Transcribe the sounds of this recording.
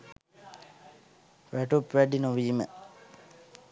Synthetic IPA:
ʋæʈupʋæɖinoʋiːmə̰

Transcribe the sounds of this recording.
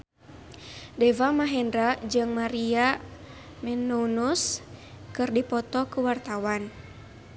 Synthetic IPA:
dɛvamaɦɛndɾad͡ʒɨŋmaɾia | mɛnunus | kɨrdipɔt̪ɔkuwart̪awan

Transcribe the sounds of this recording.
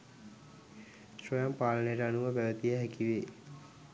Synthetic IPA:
sojampaːlənəjəʈəanuʋəpæʋət̪ijəɦækiʋe

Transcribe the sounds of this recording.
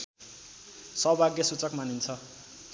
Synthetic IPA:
sʌbʱaɡjʌsut͡sʌkmanint͡sʰʌ

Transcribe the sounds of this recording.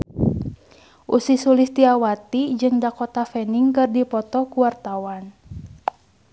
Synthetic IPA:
ʔusisulist̪iawat̪id͡ʒɨŋdakɔt̪afɛniŋkɨrdipɔt̪ɔkuwart̪awan

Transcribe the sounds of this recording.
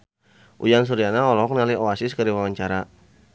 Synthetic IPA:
ʔṵjans̬uɾianaɔlɔɔk̚nalioasiskəɾiwawaɲt͡ʃaɾa

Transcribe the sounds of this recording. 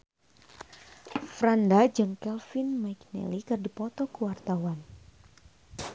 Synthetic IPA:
fɾandad͡ʒɨŋkɛlfinmajknɛ̰likɨrdipɔt̪ɔkəwart̪awan

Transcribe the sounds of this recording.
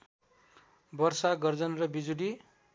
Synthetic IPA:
bʌrsaɡʌrd͡zʌnrʌbid͡zuli

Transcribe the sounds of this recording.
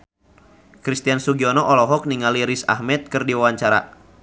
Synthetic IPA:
kɾist̪iansuɡiɔnɔʔɔlɔɦɔk̚niŋaliɾisa̰hmɛt̪̚kɨrdiwawaɲt͡ʃaɾa̰

